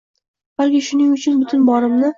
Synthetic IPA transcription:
b̥alkʲɪʃʊnɪŋʊt͡ʃʰʊnbʊt̪ʰʊnbɒɾɪmnɪ

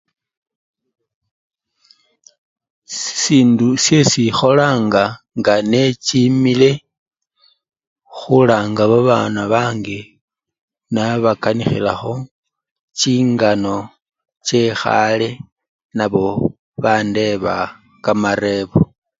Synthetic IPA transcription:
siːndusje̞sixo̞laːŋɡa | ŋɡane̞t͡ʃimile̞ | xulaːŋɡaβaβaːnaβaːŋɡe | naβakanixḭla̰xo̞ | t͡ʃiːŋɡano̞ | t͡ʃe̞xa̰le | naβo̞ | βande̞βa | kamaɾe̞βo

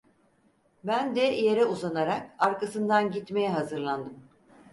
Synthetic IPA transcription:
bænd̪ɛje̞ɾɛuzanaɾak̚aɾkasɯnd̪anɟit̪me̞jɛɦazɯɾlˠand̪ɯm

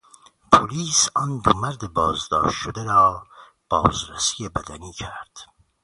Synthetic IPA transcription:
pʰoliːsɒːnd̪omæɾd̪ebɒːzd̪ɒ̰ːʃt̪ʃod̪eɾɒː | b̥ɒːzɾæsijebæd̪æniːcʰæɾd̪̥

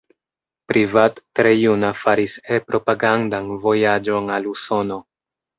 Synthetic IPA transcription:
pɾivatːɾejunafaɾisepɾo̞paɡandanvo̞jad͡ʒo̞naluso̞no̞

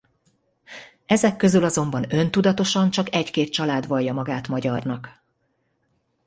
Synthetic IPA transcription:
ɛzɛkːø̞zylɒzo̞mbɒnø̞nt̪ud̪ɒt̪o̞ʃɒnt͡ʃɒkɛckeːt̪̚t͡ʃɒlaːd̪ʋɒjːɒmɒɡaːt̪mɒɟɒrnɒk

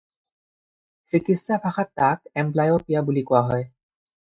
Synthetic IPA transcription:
sikistapʰaxatːakɛmplajopijabulikɔwaɦɔj

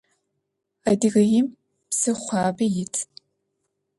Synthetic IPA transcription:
ɐdiɣɐjɪm | psɨχʷɑːbɐjɪtʰ

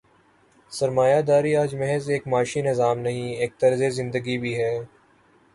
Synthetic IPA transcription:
səɾmaːjaːd̪aːɾiaːd͡ʒmɛɦɛzeːkmaːʃinɪzaːmnɐɦĩeːk̚t̪ɐɾzezɪ̃nd̪əɡibʱiːɦɛː

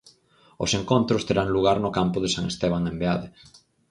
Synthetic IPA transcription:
ʊ̰seŋkont̪ɾʊst̪eɾaŋluɣ̞aɾnʊkampʊðɪsaŋest̪eβ̞aŋembeaðɪ

